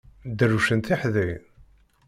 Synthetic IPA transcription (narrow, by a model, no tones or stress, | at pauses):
d̪ərːuʃənt̪iħði